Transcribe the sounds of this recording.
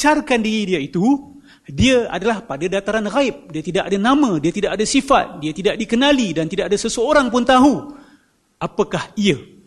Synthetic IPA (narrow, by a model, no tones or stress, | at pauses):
t͡ʃarkandiɾidiait̪u | diaa̰dalahpadadat̪aɾanɣaɪp̚diat̪idaʔadanamãdiat̪idaʔadasifa̰t̪̚diat̪idaʔdikənalidant̪idaʔadasəsəoɾaŋpʊnt̪aɦu | apakahia